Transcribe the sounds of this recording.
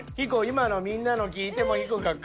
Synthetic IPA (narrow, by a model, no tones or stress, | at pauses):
hikoimanomʲĩnːanok̬ʲiːt̪e̞moçikoɡakː